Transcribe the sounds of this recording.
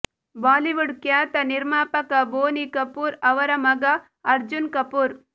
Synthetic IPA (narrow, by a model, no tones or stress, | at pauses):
baːliʋʊɽkjaːt̪ɐnɪɾmaːpɐkɐboːnikɐpːuːɾɐʋɐɾɐmɐɡɐ | ɐɾd͡ʒʊnkɐpuːɾ